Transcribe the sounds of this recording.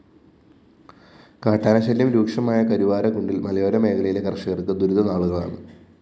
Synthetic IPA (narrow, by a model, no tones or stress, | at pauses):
kaːʈːaːnɐɕɐlːjɐmɾuːkʂɐmaːjɐkɐɾiʋaːɾɐkuɳɖilmɐlɐjoːɾɐme̞ːkʰɐɭɐjile̞kɐrʂɐɣɐrkɨd̪uɾuðɐnaːɭuɣɐɭa̰ːɳɨ